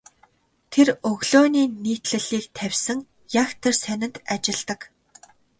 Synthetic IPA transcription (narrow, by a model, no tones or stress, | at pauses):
t̪ʰerɵɣɮoːniːniːt̪ɮɘ̆ɮiːkt̪ʰæwʲsə̆ŋ | jaxt̪ʰersænʲɪ̆nt̪at͡ɕɪ̆ɮt̪ə̆k